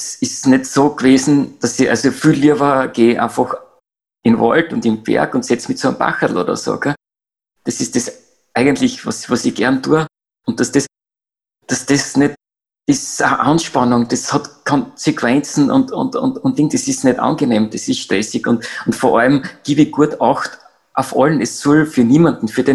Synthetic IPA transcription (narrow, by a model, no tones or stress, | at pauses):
esɪsnɛtsoːɡ̥veːzn̩d̥ɑsiʔa̰lsofyliəvəɡ̥eːʔã̰nfɔx | ɪnvɔ̰ltʊ̃ndɪnb̥ɛ̰ɐkʊntsɛt͡smitsoəmba̰xətl̩o̰ːdɾɐ̰so̰ɡ̥ɛ | d̥esɪsd̥es | ʔæɪɡəntlɪçvɑ̰svɑsiɡ̥ɛɐntuːə | ʊnt̚ːasd̥es | d̥ɑsd̥esnɛt | ɪsəʔɑnʃpɑnʊŋd̥eshɑtkʰɔ̃nsekʰv̥ɛnt͡sn̩ʊ̰ntʊ̰̃ntʊ̰ntʊ̃ntlɪŋd̥esɪsnɛtɑ̰nɡɪneːmd̥ɛsɪsʃtʁɛsɪkʊntʊntfɔɐʔɑlmɡ̥ibɪɡ̥uəɐtɑxt | ʔaʊfɔlənɛsːɔlfyːɐniːmandn̩fyːɐden